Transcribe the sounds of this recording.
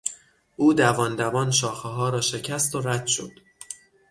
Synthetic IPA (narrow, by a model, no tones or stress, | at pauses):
ʔuːd̪ævɒːnd̪ævɒːnʃɒːxeɦɒːɾɒːʃe̞cʰæst̪o̞ɾæd̪̥ʃo̞̰d̪̥